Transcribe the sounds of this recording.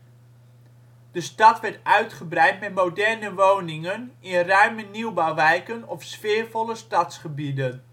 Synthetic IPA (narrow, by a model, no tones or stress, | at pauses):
d̥əstɑtʋɛɹtœɥtχəbrɛjtmɛtmodɛrnəʋownɪŋənɪnrœɥməniwbawʋɛjkənɔfsfɪːɹvɔləstɑtsχəbidən